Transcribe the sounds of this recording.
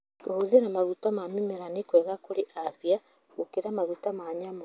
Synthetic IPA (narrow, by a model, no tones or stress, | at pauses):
kohuðeɾamaɣutamamimeɾanikwɛɣakoɾeʔavja | ɣukeɾamaɣutamaɲamo